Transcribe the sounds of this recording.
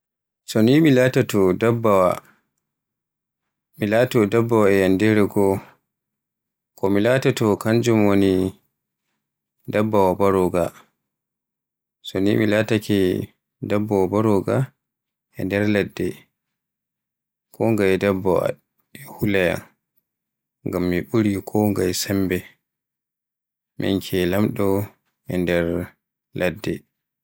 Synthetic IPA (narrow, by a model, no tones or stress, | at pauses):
sɔnimilaːtatɔdabːawa̰ | milatɔdabːawaɛjandɛɾɛɡɔ | kɔmilatatɔkaɲd͡ʒumwoni | dabːawabaɾɔɡa | sɔnimilatakɛ | dabːawabaɾɔɡa | ɛndɛɾlɛdːɛ | kʰɔŋɡajdɛbːawa̰ | hulaja̰n | ŋɡamːiɓuɾikʰɔŋɡajsɛmbɛ | mʔḭnkʰɛlamɗɔ | ɛndɛɾ | lʔadːɛ